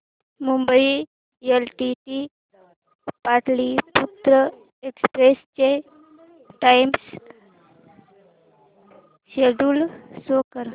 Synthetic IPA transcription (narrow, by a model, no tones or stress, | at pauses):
mumbəi | elʈiʈi | paʈliput̪ɾə | ekspɾest͡ɕe | ʈajms | ɕeɖulsokəɾ